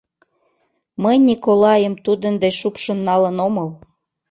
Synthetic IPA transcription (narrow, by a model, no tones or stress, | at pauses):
məjnʲikolɑjəmt̪ud̪ənd̪eʃupʃə̆nːɑlənoməl